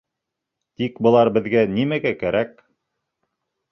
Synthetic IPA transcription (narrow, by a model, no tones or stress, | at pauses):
t̪ikbɤ̆lˠɑɾbɘ̆ðɡænimæɡækæɾæk̚